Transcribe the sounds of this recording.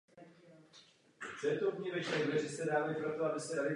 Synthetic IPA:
tɛːt̪obɲivɛt͡ʃɾɛɛzɪst̪ɛdaːvjɛpɾot̪oabɪst̪ɛdalɪ

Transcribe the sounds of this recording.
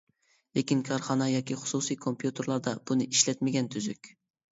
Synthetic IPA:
lekʲinkʲʰɑɾχɑnɑjɑkʲʰiχʊ̥susijkʰompʰjut̪ʰeɾlˠɑɾd̪ɑb̥unɪʔiʃlɛt̪mɪɡʲɛnt̪ʰyzykʲ

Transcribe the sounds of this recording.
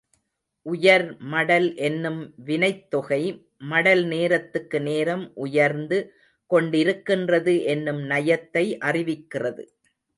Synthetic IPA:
ʔʊjɐɾmɐɽɐlʔɛnːɯmʋɪnɐɪt̪ːɔɣɐɪ | mɐɽɐlneːɾɐt̪ːɯkːɯneːɾɐmʔʊjɐɾnd̪ɯ | kɔɳɖɪɾɯkːɪndrɐðɯʔɛnːɯmnɐjɐt̪ːɐɪʔɐrɪʋɪkːɪrɐðɯ̰

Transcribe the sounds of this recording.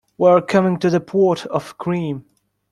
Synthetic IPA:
wə˞kʰʌmɪ̃ŋtɨðəpʰɔɹɾʌv̥kʰɹ̥ĩm

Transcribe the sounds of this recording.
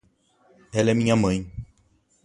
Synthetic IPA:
ɛlɛmĩɲɐmɐ̃j̃

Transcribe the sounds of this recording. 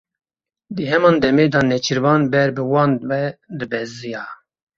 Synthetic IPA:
d̪ɨɦɛmɑːnd̪ɛmeːd̪ɑːnɛt͡ʃʰɨɾvɑːnbɛɾbɨwɑːnwɛd̪ɨbɛzɨjɑː

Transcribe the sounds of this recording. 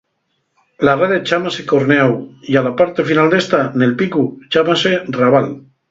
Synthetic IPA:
lareðet͡ʃamasekoɾneawialapaɾt̪efinald̪est̪anelpikut͡ʃamaseraβ̞al

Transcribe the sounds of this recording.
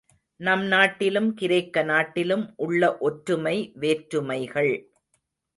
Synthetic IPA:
nɐmnaːʈːɪlɯmkɪɾɐɪkːɐnaːʈːɪlɯmʔʊɭːɐʔɔʈɾɯmɐɪʋeːʈɾɯmɐɪɣɐɭ

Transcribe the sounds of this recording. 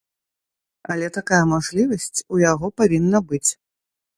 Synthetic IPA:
ɐlʲɛt̪akajɐmaʐlʲivɐsʲt͡sʲujaɣɔpavʲinːɐbɨt͡sʲ

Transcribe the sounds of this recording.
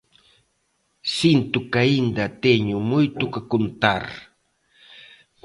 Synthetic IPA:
sint̪ʊkaind̪at̪eɲʊmʊjt̪ʊkakʊnt̪aɾ

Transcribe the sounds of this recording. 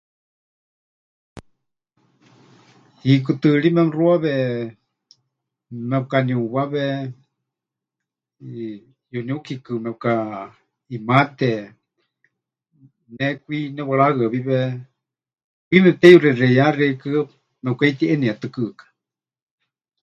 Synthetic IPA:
hik̬ɨt̪ɨɺimɛruaβɛ | mɛp̚kaniuβaβɛ | juniukʰikɨmɛp̚ka | imat̪ɛ | nɛkʷinɛwaɺaɣɨaβiβɛ | kʷimɛt̪ɛjurɛrɛjarɛkɨ | mɛkait̪iʔɛniat̪ɨkɨkḁ

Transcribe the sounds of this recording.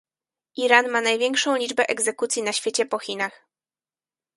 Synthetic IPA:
ʔiɾanmanajvʲjɛŋkʂɔ̃w̃lʲid͡ʐbɛʔɛɡzɛkut̪sʲjinaɕfʲjet͡ɕɛpɔxʲinax

